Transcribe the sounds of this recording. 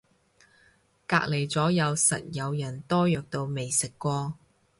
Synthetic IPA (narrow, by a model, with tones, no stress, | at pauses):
ka̰ː˧k̚le˨˩jt͡sɔː˨˥jɐ˨˧wsɐ̰˨t̚jɐ˨˧wjɐ˨˩nt̪ɔː˥jœː˨˧k̚t̪o˧wme˨jsɪ˨kːʷɔː˧